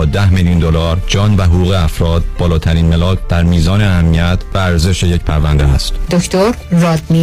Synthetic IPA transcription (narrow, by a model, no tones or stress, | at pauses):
ɒːd̪æhmeljuːnd̪olɒːɾd͡ʒɒːnvæɦoɣuːɣeæfɾɒːd̪̚b̥ɒːlɒːt̪ʰæɾiːnme̞lɒːkʰd̪̥æɾmiːzɒːneæhæmːiæt̪ʰvæːɾze̞ʃe̞je̞cpʰæɾvænd̪eæst̪d̪okʰt̪ʰoɾːɒːd̪mi